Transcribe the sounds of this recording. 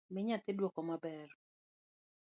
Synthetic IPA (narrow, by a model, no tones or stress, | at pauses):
mɪɲat̪ɪdwɔkɔmabɛr